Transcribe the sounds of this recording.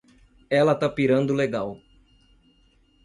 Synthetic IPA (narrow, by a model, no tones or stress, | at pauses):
ɛlɐt̪apiɾɐ̃nd̪ʊleɡaw